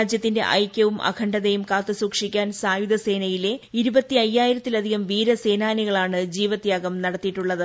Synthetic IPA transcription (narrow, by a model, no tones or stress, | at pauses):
aːd͡ʑjɐt̪ːinde̞̰ʔɐ̰jkʲːɐʋumʔɐ̰kʰɐɳɖɐðejumkaːt̪ːɨsuːkʂikʲːaːnsaːjud̪ɐse̞ːnɐjile̞iɾubɐt̪ːiɐjːaːjiɾɐt̪ːilɐd̪ʱiɣɐmʋiːɾɐse̞ːnaːniɣɐɭaːɳɨd͡ʑiːʋɐt̪jaːɣɐmnɐɽɐt̪ːijiʈːuɭːɐðɨ